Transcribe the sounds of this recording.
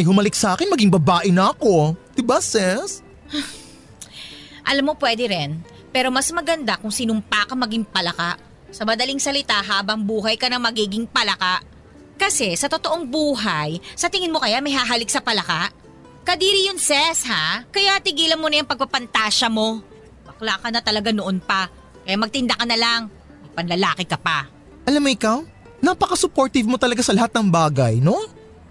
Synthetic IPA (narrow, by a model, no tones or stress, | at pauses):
mɐjɦʊmɐlɪk̚saːkɪnmɐɡiŋbɐbaːʔɪnɐɐko̞d̪̥ɪbasɛs | ʔɐ̰lamːo̞pwɛːd̪ɛɾɛn | pɛːɾo̞mɐsmɐɡɐnd̪akʊŋsɪnʊmpaːkɐmɐɡɪŋpɐlɐkaʔ | sɐmɐd̪ɐlɪŋsɐlɪt̪aʔɦaːbɐŋbuːɦɐjkɐnɐŋmɐɡiːɡɪŋpɐlɐkaʔ | kɐsɛsɐt̪o̞t̪o̞ʔoŋbuːɦɐjsɐt̪ɪŋɪnmo̞kɐjamɐjɦaɦɐlɪk̚sɐpɐlɐkaʔ | kɐd̪iːɾijʊŋsɛshakɐjat̪ɪɡiːlɐnmonɐjɐŋpɐɡ̚pɐpɐnt̪aːʃɐmo̞ | mɐklaːkɐnɐt̪ɐlɐɡanoʔonpɐ | kɐjamɐɡ̚t̪ɪnd̪ɐkɐnɐlaŋ | mɐjpɐnlɐlaːkɪkɐpɐ | ʔɐlamːoɪkam | napɐkɐsʊpoɾt̪ɪvmot̪ɐlɐɡasɐlɐhat̪̚nɐŋbaːɡɐjno̞